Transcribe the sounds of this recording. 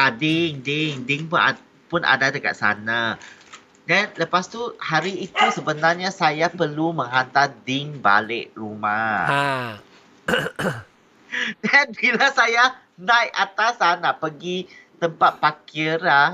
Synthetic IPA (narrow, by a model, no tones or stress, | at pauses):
ʔadɪŋdɪŋdɪŋpuna | punʔa̰dadəka̰t̪̚sa̰na | dɛnləpast̪uhaɾiːt̪usəbənarɲasajapərlumə̃ŋɦant̪adɪŋba̰lɪʔruma | dɛnbilasaja | nãjat̪asanaʔpəɡit̪əmpat̪̚pakɪra